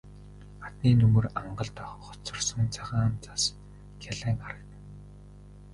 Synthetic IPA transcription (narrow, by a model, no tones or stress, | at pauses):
at̪niːnɵmɵ̆raɴɢə̆ɮt̪ɔχχɔ̥t͡sɞ̆rsɞ̆nt͡sʰaʁaːnt͡sḁs | kʰaɮæːŋaɾə̆kt̪̆